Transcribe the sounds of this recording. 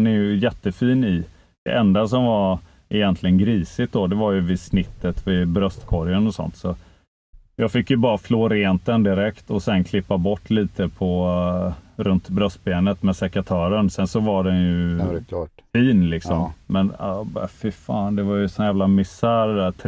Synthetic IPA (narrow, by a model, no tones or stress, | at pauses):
nɛɾjɵjɛt̪ːəfiːnɪ | d̪̥ɛ̰ʔɛnd̪as̬ɔmvaɾ | ʔɪjɛnt̪lɪɡənɡɾiːsɪt̪̚d̪ɔd̪ɛvaɾjɵvɪsnɪt̪ːət̪vɪbɾœst̪kʰɔɾjənɔsɔ̰nt̪sɔ | jɑːɡfɪkːjɵbɑːɾafloːɾeːnt̪̚d̪ɛnd̪ɪɾɛkt̪ɔsɛnkʰlɪpːabɔʈːliːt̪əpʰɔ | ɾɵnt̪bɾœst̪̚beːnət̪mɛsɛkat̪ʰœːɾəɳsɛnsɔvaɖɛnjɵ | fiːnlɪksɔmmɛna̰bɑ̰afɪfɑ̰ːnd̪ɛvaɾjɵsɔnjæːvlamɪsæːɾd̪æt̪ʰ